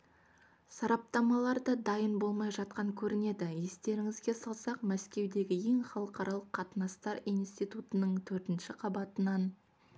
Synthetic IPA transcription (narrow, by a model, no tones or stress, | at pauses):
sɑɾɑp̚t̪ɑmɑlˠɑɾd̪əd̪ɑjənbo̞lˠmɑjʒɑt̪̚qɑŋkʲʰɵɾɪne̞d̪ɪje̞st̪e̞ɾɪŋɪzɡʲe̞sɑlˠsɑqmæskʲe̞wd̪e̞ɡʲɪje̞ŋχɑlˠəqɑɾʔɑlˠəqʰːɑt̪ənɑst̪ɑɾijnst̪ijt̪ut̪ənəɴt̪ʰɵɾt̪ɪnʃɪqʰɑbɑt̪ənɑn